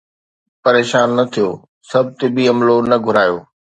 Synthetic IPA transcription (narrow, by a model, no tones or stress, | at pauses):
pɐɾeːʃaːnːɐt̪ʰijoː | sɐb̚ʱt̪ɪbiɐmlonɐɡʱʊɾaːjoː